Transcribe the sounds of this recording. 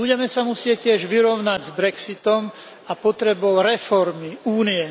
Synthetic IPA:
buɟɛmɛsamusɪɛcːɪɛʒʋiɾɔʊnaɟzbɾɛksit̪ɔm | apɔt̪ɾɛbɔʊɾɛfɔɾmiuːniɛ

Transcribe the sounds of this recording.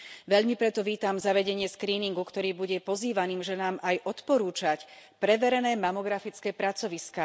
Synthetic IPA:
ʋɛʎmipɾɛt̪ɔʋiːt̪amzaʋɛɟɛɲɪɛskɾiːniŋɡukt̪ɔɾiːbuɟɛpɔziːʋaniːmʒɛnaːmajʔɔt̪pɔɾuːt͡ʃac | pɾɛʋɛɾɛnɛːmamɔɡɾafit͡skɛːpɾat͡sɔʋiskaː

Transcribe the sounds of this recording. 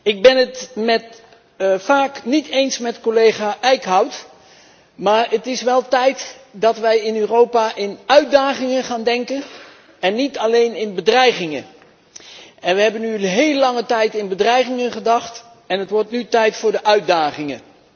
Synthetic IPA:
ɪɡ̚bɛnətmɛt | faːknitejnsmɛtkolejχaːʔɛjkɦʌwt | maːɹətɪsʋɛlˠtɛjtdɑtʋɛjɪnøːrowpaːʔɪnœɥt̚daːχɪŋəχaːndɛŋkən | ɛnːitɑlejnɪnbədrɛjχɪŋə̰ | ɛnʋəɦɛbənyɦejləlɑŋətɛjtɪnbədrɛjχɪŋəχədɑχt | ɛnɦətʋɔɹtnytɛjtfʊːɹdəʔœɥd̚daːχɪŋə̰

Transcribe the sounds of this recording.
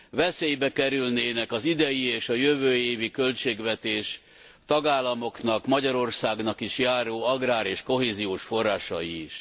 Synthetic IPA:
vɛseːjbɛkɛɾylneːnɛkɒzid̪ɛjieːʃɒjøvøːeːvikø̞lt͡ʃeːɡʋɛt̪eːʃ | t̪ɒɡaːlːɒmo̞knɒkmɒɟɒɾo̞rsaːɡnɒkiʃjaːɾoːɒɡraːɾeːʃko̞ɦeːzijoːʃfo̞rːaːʃɒ̰jiːʃ

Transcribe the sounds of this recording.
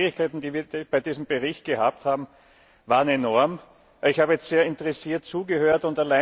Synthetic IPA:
ʁɪçkʰæɪtn̩d̥iːviːɐb̥aɪdiːzəm̩bəʁɪçt̚ɡ̥əhaːp̚thaːbm̩ | vaːʁənenɔɐm | ɪçhaːbəjɛstseːɐɪntəʁɛsiːɐtt͡suːɡəhøːɐtʊntalaɪ

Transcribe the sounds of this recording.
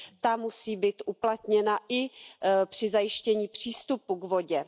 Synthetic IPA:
t̪amusiːbiːt̪ʔuplat̪ɲɛnaʔɪpr̝̥ɪzajɪʃcɛɲiːpr̝̥iːst̪upuɡvo̞ɟɛ

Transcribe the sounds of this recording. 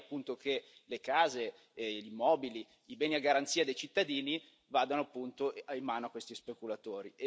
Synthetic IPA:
apːunt̪okelekaːze | ʎimːɔːbili | ibɛːniaɡːaɾant̪siːad̪ejt͡ʃit̪ːad̪iːni | vaːd̪anoapːunt̪oaimːaːnoakːwest̪ispekulat̪oːɾi

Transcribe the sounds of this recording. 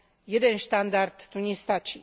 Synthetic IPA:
jed̪enʃt̪and̪ard̪ːunʲist̪at͡ʃi

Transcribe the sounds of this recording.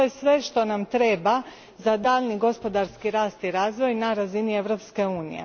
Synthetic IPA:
ojesʋe̞ʃt̪o̞namt̪ɾe̞ːba | zad̪aːʎniɡo̞spo̞d̪aɾskiɾaːst̪iɾaːzʋo̞jnaɾazinie̞ʋɾo̞pske̞uːnḭjḛ

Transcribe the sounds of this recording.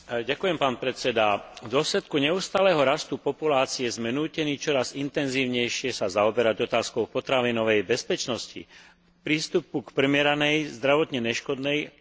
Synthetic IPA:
ɟakujɛmpaːnpɾɛt͡sɛd̪avd̪ʊɔslɛt̪kuɲɛuːst̪aːlɛːɦɔɾast̪upɔpulaːt͡siɛzmɛnuːcɛniːt͡ʃɔɾazint̪ɛnziːʊɲɛjʃɪɛsazaɔbɛɾaɟɔt̪aːskɔʊpɔt̪ɾaʋinɔʋɛjbɛspɛt͡ʃnɔscḭ | pɾiːst̪upukpr̩mɪɛɾanɛjzd̪ɾaʋɔt̪ɲɛnɛʃkɔd̪nɛj

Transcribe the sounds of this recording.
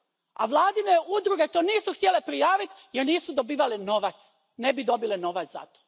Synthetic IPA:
a̰ʋlˠaːd̪ineʔud̪ɾuɡe̞t̪oːniːsuxt̪je̞le̞pɾijaːʋit̪jeɾniːsud̪o̞biːʋaleno̞ʋat̪s | nebid̪o̞bileno̞ʋat̪za̰t̪o̥ː

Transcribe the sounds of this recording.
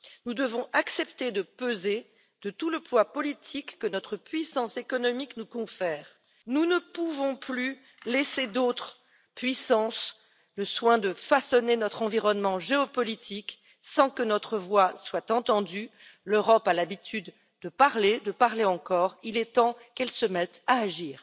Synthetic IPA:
nud̪əvɔ̃ʔaksɛpt̪ed̪əpøze | d̪̥ət̪uləplwapɔlit̪ʰikːənɔt̪χəpɥisɑ̃sekɔnɔmiknukɔ̃fɛːʁ | nunəpuvɔ̃ply | lesed̪ot̪χ | pɥisɑ̃s | ləswɛ̃d̪əfasɔnenɔt̪χɑ̃viʁɔnmɑ̃ʒeɔpɔlit̪ʰik | sɑ̃kənɔt̪χəvwaswat̪ɑ̃t̪ɑ̃d̪yløʁɔpalabit̪ʰyd̪ | d̪əpaʁled̪əpaʁleɑ̃kɔʁilɛt̪ɑ̃kɛlsəmɛt̪aːʒiːʁ

